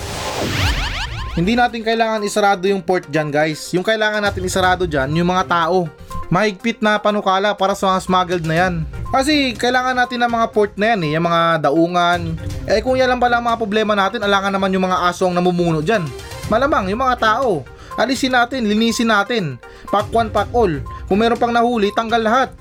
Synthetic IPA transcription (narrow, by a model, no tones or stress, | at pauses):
hɪnd̪inaːt̪ɪŋkɐʔɪlaːŋɐnɪsɐɾaːd̪o̞jʊŋpo̞ɹt̪̚d͡ʒanɡajsjʊŋkɐʔɪlaːŋɐnaːt̪ɪnɪsɐɾaːd̪o̞d͡ʒanjʊŋmɐŋat̪aːʔo̞ | mɐhɪɡ̚pɪt̪̚nɐpɐnʊkaːlɐpaːɾɐsɐmɐŋasmaːɡɛld̪̚nɐjankɐs̬ɛkɐʔɪlaːŋɐnːaːt̪ɪnɐŋmɐŋapoɹt̪̚nɐjanɛjɐŋmɐŋad̪ɐʔuːŋɐnʔɛkʊŋjanlɐmpɐlaʔɐŋmɐŋapɾoblɛːmɐnaːt̪ɪnɐlaːŋɐnːɐmanjʊŋmɐŋaʔaːsoɐŋnɐmumuːno̞ʔd͡ʒanmɐlamaŋjʊŋmɐŋat̪aːʔo̞ | ʔɐlisɪnaːt̪ɪnlɪniːsɪnaːt̪ɪn | pakːwanpak̚ʔo̞lkʊŋmɛːɾo̞npɐŋnɐhuːlɪt̪ɐŋɡalːɐhat̪̚